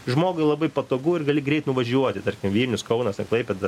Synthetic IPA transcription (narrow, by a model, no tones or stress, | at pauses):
ʒmoːɡʊɪlˠɐbɐɪpɐt̪oːɡuɪrɡɐlʲɪɡɾʲɛɪt̪nʊʋɐʒʲuɔt̪ʲɪt̪ɐrʲkʲɪmʋʲiːlʲnʲʊskɐʊnɐsʲɐklˠɐɪpʲɛd̪ɐ